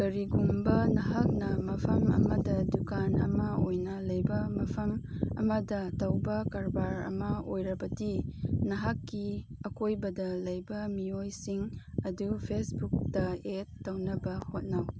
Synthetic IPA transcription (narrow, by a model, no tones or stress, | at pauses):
ɡɐɾiɡumbɐnɐɦak̚nɐmɐpʰɐmɐ̰mɐdɐdukanɐ̰mɐojnɐlɐjbɐmɐpʰɐmɐ̰mɐdɐtɐwbɐkaɾbaɾɐ̰mɐojɾɐbɐdinɐɦakːiɐkojbɐdɐlɐjbɐmiojsiŋɐdupʰesbuk̚tɐetːɐwnɐbɐhot̚naw